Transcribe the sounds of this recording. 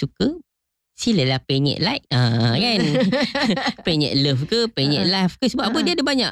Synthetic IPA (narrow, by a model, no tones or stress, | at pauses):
sukə | siləlahpɛɲɛ̰̃ʔlaj̚akan | pɛɲɛ̰̃ʔ̚ləfkəpɛɲɛ̰ʔlafkəsəbuaʔ̚abədiadəbaɲaʔ